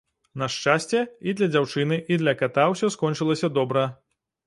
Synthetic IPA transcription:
nɐʂt͡ʂasʲt͡sʲɛid̪lʲɐd͡zʲawt͡ʂɨnɨʔid̪lʲɐkat̪awsʲɔskɔnt͡ʂɨlˠɐsʲɐd̪ɔbɾɐ

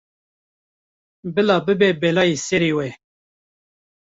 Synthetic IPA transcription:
bɪlaːbɪbeːbelaːiseɾiweː

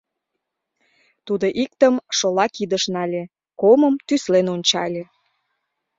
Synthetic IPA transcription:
t̪ud̪oʔik̚t̪əmʃolɑkid̪əʃnɑlʲe | koməmt̪yslenonʲt͡ɕɑlʲe

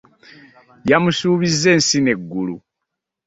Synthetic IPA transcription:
jamusuːβizːe̞ːnsine̞ɡːulu

